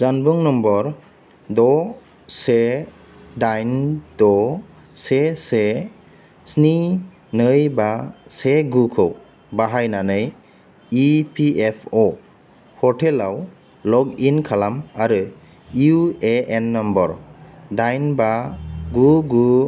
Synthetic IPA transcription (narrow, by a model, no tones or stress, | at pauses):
zanbuŋnɔmbɔɾ | dɔ | se | dajnd̥ɔ | sese | sni | nɯjbaseɡukʰɯw | baɦajnanɯj | ipʰiepʰɔ | hɔtʰelaw | lɔkinkʰalamaɾɯ | iueenːɔmbɔɾdajnbaɡuɡu